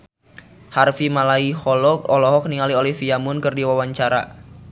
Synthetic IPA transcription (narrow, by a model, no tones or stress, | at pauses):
harfimalaihɔlɔkɔlɔɦɔk̚niŋaliolifiamʊnkɨrdiwawaɲt͡ʃaɾa̰